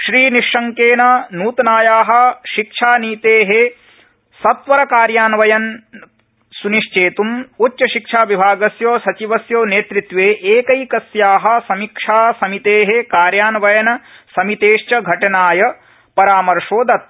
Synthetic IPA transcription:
ʃɾiːniʃːɐŋkeːnɐnuːt̪ɐnaːjaːɦɐ̆ʃikʂʰaːniːt̪eːɦe | sɐt̪ʋɐɾɐkaːɾjaːnʋɐjɐn | suniʃt͡ʃeːt̪umutt͡ʃɐʃikʂaːʋibʱaːɡɐsjoːsɐt͡ʃiʋɐsjoːneːt̪ɾit̪ʋeːʔeːkɐjkɐsjaːɦɐ̆sɐmikʂʰaːsɐmit̪eːɦekaːɾjaːnʋɐjɐnɐsɐmit̪eːʃt͡ʃɐɡʱɐʈɐnaːjɐ | pɐɾaːmɐɾʂoːd̪ɐt̪̚

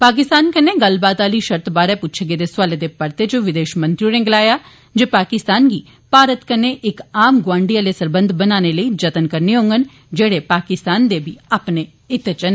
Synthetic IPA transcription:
paːk̬ɪst̪aːnkəneːɡəlbaːt̪aːliːʃəɾt̪baːɾɛːpʊtːt͡ʃʰɡeːd̪eːswaːleːd̪eːpəɾt̪eːt͡ʃõʋɪd̪eːʃmə̃nt̪ɾiõnẽːɡəlaːjaː | d͡ʒeːpaːkɪst̪aːnɡiː | paːɾət̪kənːeːʔɪkaːmɡʊwãːɳɖiːaːleːsəɾbənd̪ʱbənaːneːləiːd͡ʒət̪ənkəɾneːɦõːŋɡən | d͡ʒeːɽeːpaːkɪst̪aːnd̪eːbʱiaːpneː | ɪt̪et͡ʃən

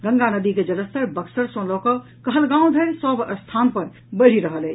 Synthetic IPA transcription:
ɡə̃ŋɡanəd̪iked͡ʒələst̪ʰəɾbəksəɾsõlɔkə | kəɦəlɡãũd̪ʱəɾsəbəst̪ʰanpəɾ | bəɾ̤iɾəɦəlɛ

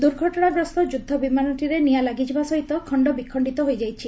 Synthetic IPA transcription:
d̪uɾɡʱɔʈɔɽ̃aɡɾɔst̪ɔd͡ʒud̪ʱːɔbimanɔʈiɾenijalaɡid͡ʒibasɔɦit̪ɔkʰɔɳɖɔbikʰɔɳɖit̪ɔɦojd͡ʒajt͡ʃʰi

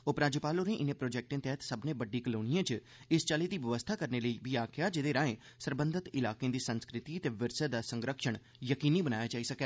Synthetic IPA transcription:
ʊpɾaːd͡ʒɪpaːloːnẽːʔɪnẽːpɾoːd͡ʒɛːk̚ʈẽːt̪ɛːɦt̪səbnẽːbəɖiːkəloːñijãːt͡ʃ | ɪst͡ʃaːliːd̪iːʋəʋəst̪ʰaːkəɾneːləibiːaːkʰɪjaːd͡ʒɪd̪eːɾãːẽː | səɾbənd̪ʱət̪ɪlaːkeẽːd̪iːsənskɾɪt̪iət̪eːʋɪɾsəd̪aːsə̃ŋɡɾəkʃəɳ̃ | jəkiːniːbənaːjaːd͡ʒaːisəkɛː

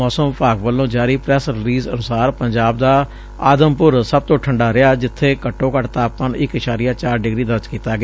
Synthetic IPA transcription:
ɔːsəmpaːkʋəlːõːd͡ʒaːɾiːpɾɛːsɾɪliːzənʊsaːɾpəɲd͡ʒaːb̚d̪aː | aːd̪əmpʊɾsəb̚t̪õːʈʰəɳɖaːɾɪaːd͡ʒɪt̪ʰːeːkəʈːõːkəʈt̪aːppənɪkɪʃaːɾijãːt͡ʃaːɾɖɪɡɾiːd̪əɾt͡ʃkiːt̪aːɡɪ

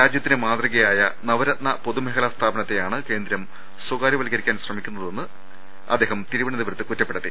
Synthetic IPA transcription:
ɾaːd͡ʑjɐt̪ːinɨmaːt̪riɣɐjaːjɐnɐʋɐɾɐt̪̚nɐpo̞ðumeɦɐlast̪ʰaːbɐnɐt̪ːe̞jaːɳɨke̞ːnd̪ɾɐm | swɐɡaːɾiʋɐliɣɐɾikʲːaːnɕrɐmikʲːunːɐðe̞nːɨ | ɐ̰d̪ːe̞ːɦɐmt̪iɾuʋɐɳɐðiʋɐɾɐt̪ːɨkutːɐpːeɽɐt̪ːḭ

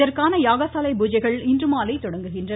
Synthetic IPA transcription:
ɐɾkaːnɐjaːɣɐsaːlɐɪbuːd͡ʒɐɪɣɐɭɪndrɯmaːlɐɪt̪ːɔɽɐŋɡɯɣɪndrɐ

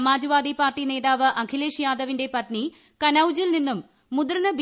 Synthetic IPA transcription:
maːd͡ʑɐʋaːd̪ipaːrʈine̞ːðaːʋɨʔɐkʰileːʂjaːd̪ɐʋinde̞pɐt̪ni | kɐnɐwd͡ʑilninːumː | ud̪ɐɾnɐb

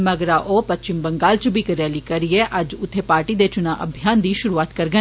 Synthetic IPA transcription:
məɡɾaːʔoːpətt͡ʃɪmbəŋɡaːlt͡ʃbʱiːkəɾɛːliːkəɾiɛːʔəd͡ʒʊt̪ʰːeːpaːɾʈiːd̪eːt͡ʃʊnãːʔə̰bʱijaːnd̪iːʃʊɾuːaːt̪kəɾɡə

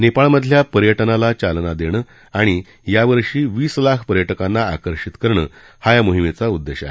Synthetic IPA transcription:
nepaɭməd̪ʱljapəɾjəʈnalat͡ɕalnad̪eɽ̃əː | aɽ̃i | jaʋəɾʂiːʋiːslakʰpəɾjəʈəkãnːaa̰kəɾɕit̪kəɾɳə̰ː | hajamoɦimet͡saud̪ːeɕa̰ɦe

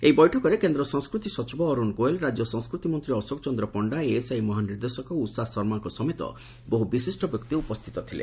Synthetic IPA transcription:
ejbɔjʈʰɔkɔɾekend̪ɾɔsɔŋskɾut̪isɔt͡ʃibɔːɾunkoelɾad͡ʒjɔsɔŋskɾut̪imɔnt̪ɾiɔsokɔt͡ʃɔnd̪ɾɔpɔɳɖaeːsajmɔɦaniɾd̪esɔkɔusasɔɾmaŋkɔsɔmet̪ɔ̰ | boɦubisisʈɔbjɔkt̪iupɔst̪ʰi̥t̪ɔt̪ʰilḛ

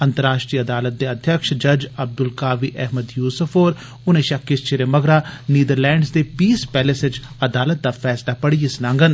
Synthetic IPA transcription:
ənt̪əɾaːʃʈɾiːəd̪aːlət̪̚d̪eːəd̪ʱjəkʃd͡ʒəd͡ʒəb̚d̪ʊlkaːʋiːʔɛɦməd̪juːsʊfʰoːɾ | ʊnẽːʃəkːɪst͡ʃeɾeːməɡɾaːniːd̪əɾlɛ̃ːɳɖsd̪eːpiːspɛːlɪsɪt͡ʃ | əd̪aːlət̪̚d̪aːpʰɛːslaːpəɽiːɪsnãːŋɡən

